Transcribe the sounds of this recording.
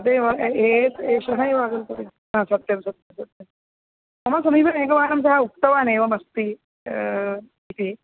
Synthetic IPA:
ɐt̪eʋɐɦeteʃɐɦaiʋaːɡɐlt̪ot̪i | ɦãsɐt̪ːjɐmsɐt̪jɐmsɐt̪jɐm | mɐmasɐmiːbʱɐneːɡɐʋaːnɐmsɐɦauk̚t̪ɐʋaːneːʋɐmɐst̪i | it̪i

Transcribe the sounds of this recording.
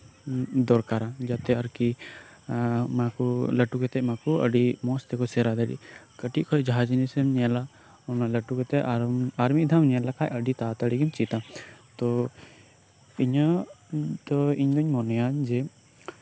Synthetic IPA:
d̪ɔɾkaɾad͡ʒat̪ɛəɾki | makuləʈukɛt̪ɛʔmakɔə̰ɖimɔst̪ɛkɔsɛɾad̪əɽḭʔkəʈiʔ̚kʰɔɛd͡ʒaɦad͡ʒnisəmɲɛla | ɔnaləʈukɛt̪ɛʔaɾmid̪ʱamɲɛlakʰajəɖit̪at̪aɽɛɡimt͡ʃit̪at̪ɔ | iɲa | d̪ɔiɲd̪ɔɲmɔnɛjand͡ʒɛ

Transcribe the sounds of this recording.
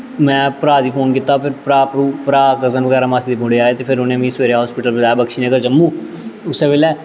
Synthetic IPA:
mɛ̃ːpɾaːd̪iːpʰoːnkɪt̪ːapʰɪɾpɾaːpɾuːpɾaːkəzənʋəɣɛːɾaːmaːsiːd̪iːbʊ̃ɽeaːeːt̪epʰɪɾʊnẽːmĩːsʋeːɾeɦɔːspɪʈəlbəd͡ʒaːjaːbəkʃiːnẽːkəd͡ʒəmːũː | ʊseːʋɪːlɛː

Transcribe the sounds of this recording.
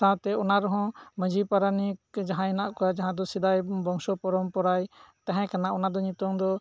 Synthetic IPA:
sat̪ɛɔnaɾɔɦɔ̃məd͡ʒʱipaɾanik̚d͡ʒaɦãɛnaʔkɔad͡ʒaɦãd̪ɔsid̪ajbɔŋsɔpɔɾɔmpɔɾajt̪ãɦɛ̃kanaʔɔnad̪ɔɲit̪ɔŋd̪ɔ

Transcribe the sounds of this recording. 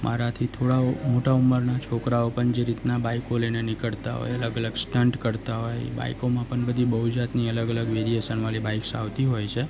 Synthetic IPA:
mʔaɾat̪ʰit̪ʰoɽamoʈauməɾnat͡ʃʰokɾaopəɳd͡ʒeɾit̪nabaikolenenɪkəɭt̪a̰ɦo̰jələɡələɡsʈəɳʈkəɾt̪aɦoj̰ba̰ikomãpəɳbəd̪ʱibəɦud͡ʒat̪niələɡələɡʋeɾijesənʋalibaiksa̰ʋt̪iɦojt͡ʃʰe

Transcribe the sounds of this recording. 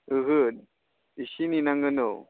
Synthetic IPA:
ɯɦɯ | iɕininaŋɡəno

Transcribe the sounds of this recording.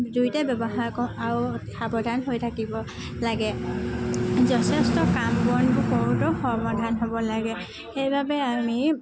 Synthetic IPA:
dujtɛbɔbɔɦaɹkɔaɹuxabɔdʱanɦojtʰakibɔ | laɡɛ | zɔtʰɛstɔkambɔnbʊkɔɹutɔxɔɹmadʱanɦobɔlaɡɛ | xejbʱabɛami

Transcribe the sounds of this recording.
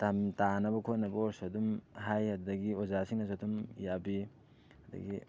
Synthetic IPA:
tamtanɐbɐkʰotnɐbɐosodumɦajhɐddɐɡiozasiŋnɐs̬odumjabi | hɐdɐ̰ɡi

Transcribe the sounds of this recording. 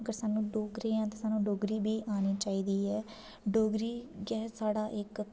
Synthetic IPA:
ɡəɾsaːnːũːɖoːɡɾẽːãːt̪eːsaːnːũːɖoːɡɾiːbʱiːʔaːniːt͡ʃaːiːd̪iːɛː | ɖoːɡɾiːɡɛːsaːɽaːʔɪk

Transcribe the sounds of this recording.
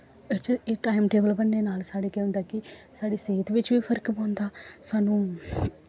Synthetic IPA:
ɪt͡ʃeːʈaːɪmʈeːbəlbənːeːnaːlsaːɽeːkɛːʊ̃nd̪aːkɪsaːɖiːseːt̪ʋɪt͡ʃʋiːpʰəɾkpãːnd̪aːsaːnũː

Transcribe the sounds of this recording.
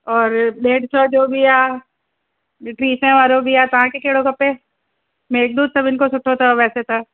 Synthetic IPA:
ɔːɾɖeːɖt͡ʃɔːd͡ʒoːbʱiaː | ʈɾiːsɛ̃ʋaːɾobʱijaːt̪ɐɦãkekeːɽokɐpːẽ | mẽːk̚d̪uːd̪̚sɐbɪnkosʊʈʰot̪ʰaʋɛːset̪ʰaː

